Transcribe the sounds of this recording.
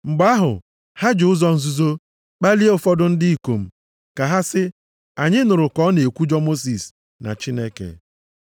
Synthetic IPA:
ŋ͡m̩˨ɡ͡ba˦ɦʊ̰˨ | ha˦d͡ʒʊ˦zɔ˦n̩˦zu˦zo˦ | k͡pa˦li˦o˦fɔ˦dʊ˦n̩˦dɪ˦i˦˨ko˨m̩˦˨ | ka˨ɦa˦sɪ˦ | a˨ɲɪ˦nʊ˨ɾʊ˨kɔ˦ne˨kʷu˦d͡ʒɔ˦mo˦s̬i˨s | na̰˨t͡ʃi˦ne˦kḛ˨

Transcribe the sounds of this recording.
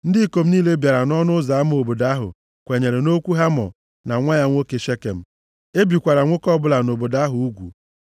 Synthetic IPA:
n̩˦dɪ˦ko˨m̩˦niː˦le˦bja˨ɾa˨nɔ˦nʊ˦za˨a˦m˦o˨bo˨da˦ɦʊ̰˨ | kʷe˨ɲe˨ɾe˨no˦kʷu˦ɦa˦mɔ̰˨ | na˨ŋʷa˦ja˦ŋʷo˦ke˨ʃe˦kḛ˨m̩˦ | e˦bi˨kʷa˨ɾa˨ŋʷo˦kɔ˦bʊ˦la˨no˨bo˨da˦ɦʊ˨u˦ɡʷṵ˨

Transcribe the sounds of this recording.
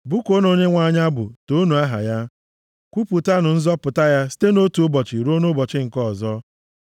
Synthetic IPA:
bʊ˦ko˦no˨ɲe˦ŋʷa˨ɲa˦bʊ̰˨to˦nu˨a˦ɦa̰˨ja˦ | kʷu˦pu˨ta˦nʊ˨n̩˦zɔ˦pʊ˨ta˦ja˦si̥˦te˦no˦tu˨ʊ˦bɔ˨t͡ʃɪ˨ɾu˦o˦no˦bɔ˨t͡ʃɪ˦ŋ̩˨kɔ˦˨zɔ˦

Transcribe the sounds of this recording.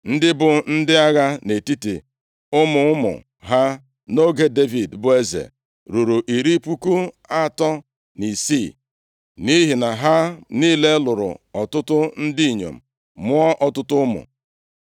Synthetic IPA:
n̩˦dɪ˦bʊ˨n̩˦dɪ˦a˦ɣa˦ne˨ti˦ti˨ | ʊ˦mʊ˨ʊ˦mʊ̰˨ | ɦa˦ | no˦ɡe˦de˦vi˨dbʊ˦˨e˦zḛ˨ | ɾu˨ɾu˨ʔi˨ɾi˦pu˦ku˦ | a˦˨tɔ˦ | ni˨si˦˨ | ni˦ɦi˨na˨ɦa˦niː˦˨le˦lʊ˨ɾʊ̰˨ɔ˨tʊ˦tʊ˦n̩˦di˦i˨ɲo̰˨m̩˨ | mʊ˦ɔ˦ʔɔ˨tʊ˦tʊ˦mʊ̰˨

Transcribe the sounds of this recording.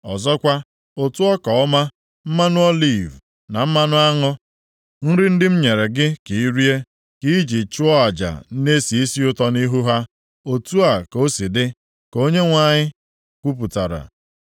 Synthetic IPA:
ɔ̰˨zɔ˦kʷa˦ | o˨tu˦ɔ˦kɔ˨ɔ˦ma˦ | m̩˦ma˦nʊ˦ɔ˦li˦˨v | na˨m̩˦ma˦nʊ˦a˦ŋɔ˦ | n̩˦ɾɪ˦n̩˦dɪ˦m̩˦ɲe˨ɾe˨ɡɪ˦ki˨i˦ɾi˦e˦ | ki˦d͡ʒi˨t͡ʃʊ˦ɔ˦a˨d͡ʒa̰˨˦ne˦si˨i˦si˦ʊ˦tɔ˦ni˦ɦu˦ɦa˦ | o˨tu˦a˨ko˦si˨dɪ˦ | ko˦ɲe˦ŋʷa˨ɲɪ˦ | kʷu˦p̬u˨ta˨ɾa̰˨

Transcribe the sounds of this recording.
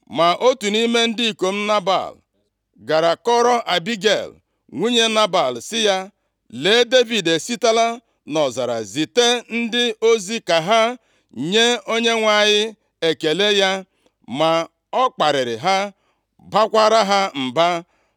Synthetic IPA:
ma˨ʔo˦tu˨ni˦me˦n̩˦di˦i˨ko˨m̩˦na˦ba̰˨l | ɡa˨ɾa˨kɔ˦ɾɔ˦ʔa˨bi˦ɡḛ˨l | ŋʷu˦ɲe˦na˦ba˨lsɪ˦ja˦ | le˨˦de˦vi˨de˨si˦ta˦la˦ | nɔ˨za̰˨ɾa̰˨zi˨te˦n̩˦dɪ˦o˦zi˦ka˨ɦa˦ | ɲe˦o˦ɲe˦ŋʷa˨ɲɪ˦ | e˨ke˨le˦ja˦ | ma˨ | ɔ˦k͡pa˨ɾɪ˨ɾɪ̰˨ɦa˦ | ba˦kʷa˦ɾa˦ɦa˦m̩˨ba˦

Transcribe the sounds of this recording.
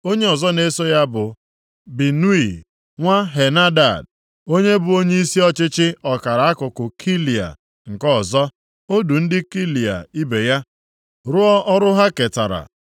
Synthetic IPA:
o˦ɲe˦ɔ˨zɔ˦ne˦so˦ja˦bʊ˨ | bi˨nu˦i˨ | ŋʷa˦ɦe˨na˦da̰˨d | o˦ɲe˦bʊ˨o˦ɲe˦i˦si˦ɔ˦t͡ʃɪ˦t͡ʃɪ˦ɔ˨ka˨ɾa˨a˦kʊ˨kʊ˨kʰi˦li˨a̰˨ | ŋ̩˨kɔ˦˨zɔ˦ | o˦du˨n̩˦dɪ˦ki˦li˨a̰˨i˦be˨ja˦ | ɾʊ˦ɔ˦ʔɔ˦ɾʊ˦ɦa˦ke˨ta˨ɾa̰˨

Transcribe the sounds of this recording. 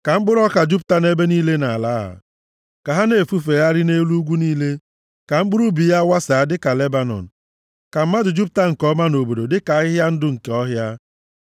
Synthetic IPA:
ka˨ŋ͡m̩˦ɡ͡bʊ˦ɾɔ˦ka˨d͡ʒu˦p̬̚ta˦ne˦be˦niː˦le˦na˨la˨˦ɦa̰˨ | ka˨ɦa˦ne˨fu˦fe˨ja˦ɾɪ˦ne˦lu˦ɡʷu˦niː˦le˦ | ka˨ŋ͡m̩˦ɡ͡bʊ˦ɾu˦bi˨ja˦wa˦sa˨a˦dɪ˦ka˨le˦ba˨nɔ̰˨n̩˨ | ka˨m̩˦ma˦dʊ˨d͡ʒu˦p̬̚ta˦ŋ̩˨kɔ˦ma˦no˨bo˨do˨dɪ˦ka˨˦ɪ˦ɦja˦n̩˦dʊ˦ŋ̩˨ke˨˦ɔ˦ɦja˦

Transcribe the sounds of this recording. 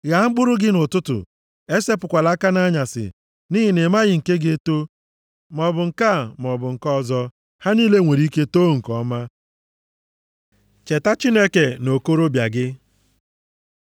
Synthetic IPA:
ja˨˦ŋ͡m̩˦ɡ͡bʊ˦ɾʊ˦ɡɪ˦nʊ˨tʊ˦tʊ̰˨ | e˦se˦pʊ˨kʷa˨la˦ka˦na˦ɲa˨sɪ̰˨ | ni˦ɦɪ˨nɪ˨ma˦ɣɪ˨ŋ̩˨ke˦ɡe˦to˦ | mɔ˨bʊ˨ŋ̩˨ka˦˨mɔ˨bʊ˨ŋ̩˨kɔ˦˨zɔ˦ | ha˦niː˦le˦ŋʷe˨ɾi˦ke˦to˦ŋ̩˨kɔ˦ma˦ | t͡ʃe˨ta˦t͡ʃi˦ne˦ke˨no˨ko˦ɾo˦bja̰˨ɡɪ˦

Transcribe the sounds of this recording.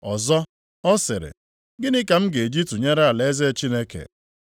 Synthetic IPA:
ɔ˨zɔ˦ | ɔ˦sɪ˨ɾɪ̰˨ | ɡɪ˦nɪ˦ka˨m̩˦ɡe˨d͡ʒi˦tu˨ɲe˦ɾa˦a˨le˦ze˦t͡ʃi˦ne˦kḛ˨

